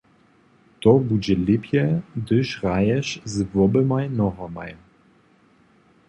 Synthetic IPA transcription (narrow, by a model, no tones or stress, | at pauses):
t̪ɔbud͡ʑɛlɪpjɛd̪ɘʃʁajɛʃzvɔbəmajnɔɦɔma̰j